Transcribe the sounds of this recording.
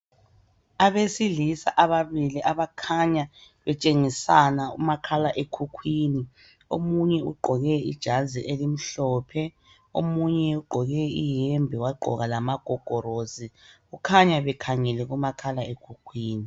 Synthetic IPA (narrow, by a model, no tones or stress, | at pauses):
aβesilisa̰ʔaβaβiliʔaβakʰaɲa | βɛt͡ʃʼeŋisanaṵmakʰalaʔekʰukʰwiːni | omuɲɛuɡ͡ǃʱɔɣɛḭd̥ʒ̥ʱaziʔelim̩ɬɔːpʰɛ | omuɲɛuɡ͡ǃʱɔɣɛijɛmbʱɛwaɡ͡ǃʱɔ̰ɣalamaɡ̥ʱɔɡ̥ʱɔɾoziɣukʰaɲaβɛkʰaŋɛlɛɣumakʰalaekʰukʰwiːni